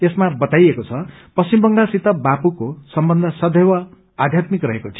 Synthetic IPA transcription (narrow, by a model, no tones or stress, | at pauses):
esmabʌt̪ajekot͡sʰʌ | pʌst͡simbʌŋɡasit̪ʌbapukosʌmbʌnd̪ʱʌsʌd̪ʱewʌ | ad̪ʱjat̪mikrʌɦekot͡sʰi̥